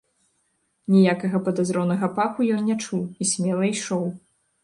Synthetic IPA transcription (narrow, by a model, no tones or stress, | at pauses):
nʲijakɐɣɐpɐd̪azɾɔnɐɣɐpaxujɔnnʲɛt͡ʂuwisʲmʲɛlˠɐjʂɔw